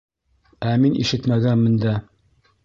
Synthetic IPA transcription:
æminḭʃɘt̪mæɡænmɘ̆nd̪æ

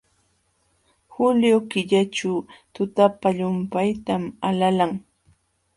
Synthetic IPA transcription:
hʊljʊkɪʎaʈ͡ʂawt̪ʊt̪apaʎʊmpajt̪amalalaŋ

